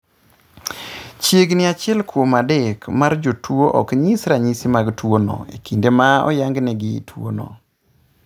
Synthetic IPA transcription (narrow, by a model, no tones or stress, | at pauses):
t͡ʃeɡnɪat͡ʃɪɛlkwomadɛkmard͡ʒotwoʔɔkɲisɾaɲisimaɡtwonɔ̰ḛkʰindemaɔ̰jaŋɡnɛɡɪtʰwo̰nɔ̰